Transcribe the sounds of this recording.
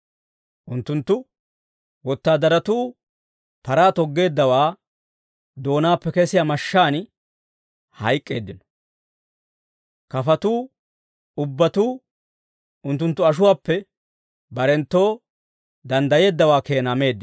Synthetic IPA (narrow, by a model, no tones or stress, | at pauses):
ʔʊnt̪ːʊnt̪ːʊ | wɔt̪ːaːd̪ɐɾɐt̪uː | pɐɾaːt̪ɔɡːe̞ːd̪ːɐwaː | d̪o̞ːnaːpːɛkɛsɪjaːmɐʃːaːn | hɐjkʼːe̞̰ːd̪ːɪnɔ̥ | kɐfɐt̪uː | ʊbːɐt̪uː | ʊnt̪ːʊnt̪ːʊɐʃ̬ʊwaːpːɛ | bɐɾɛnt̪ːo̞ː | d̪ɐnd̪ɐje̞ːd̪ːɐwaːke̞ːnaːme̞ːd̪ːɪ